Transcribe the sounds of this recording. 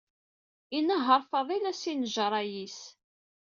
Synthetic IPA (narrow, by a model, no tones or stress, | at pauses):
inəɦəɾˤfɑðˤilæsinəʒəɾˤɑjis